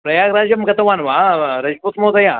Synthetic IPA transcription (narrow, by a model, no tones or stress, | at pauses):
pɾɐjaːɡɾad͡ʑjɐmkɐt̪ɐʋanʋaɾɐd͡ʒpuːt̪mot̪ɐjã